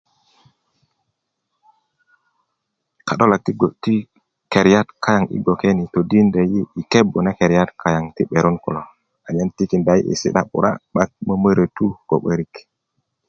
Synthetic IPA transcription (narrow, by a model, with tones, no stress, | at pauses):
ka˨ɗo˦la˨k̚ti˦ɡo˨ti˦ | ke˨ɾja˦tkʰa˦ja˨ŋḭ˦ɡo˨ke˦ni˨to˨di˦nde˨ji˦i˨ke˦bu˨na˦ke˨ɾja˦tkʰa˦ja˨ŋti˦ɓe˨ɾu˦nkṵ˨lo˨ | a˨ɲe˦nti˦ki˨nda˨˦j̰ḭ˨sḭ˦ɗa̰˦ɓṵ˨ɾa̰˦ɓa˦k̚mə˦mə˦ɾə˨tu˦ko̰˨ɓə˦ɾi˨k